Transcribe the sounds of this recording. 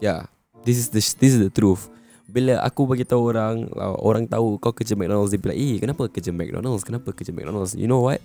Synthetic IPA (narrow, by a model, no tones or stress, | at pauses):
ja | d̪isisd̪əd̪is̬sdət̪ɾuf | bilaʔa̰kubaɡit̪auoɾaŋla̰o̰ɾaŋt̪aukawkəd͡ʒəmɛk̚dɔnəls̬dipila̰ʔikənapəkəd͡ʒəmɛ̰k̚dɔ̰nəlskənapəkəd͡ʒəmɛ̰k̚dɔ̰nəlsjṵnowat̚